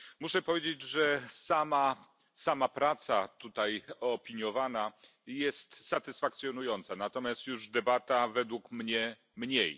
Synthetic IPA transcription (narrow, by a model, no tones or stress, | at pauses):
muʂɛpɔvʲed͡ʑed͡ʑʐɛsama | samapɾat̪sat̪ut̪ajɔpʲiɲjɔvana | jɛst̪sat̪ɘsfak̚t̪sʲjɔnujɔnt̪sanat̪ɔmʲjast̪juʐd̪ɛbat̪avɛd̪wukmɲɛ | mɲej